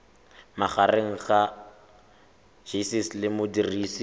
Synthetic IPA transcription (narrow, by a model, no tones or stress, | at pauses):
maχareŋ̩χa | ʒisislɪmʊdiriːsi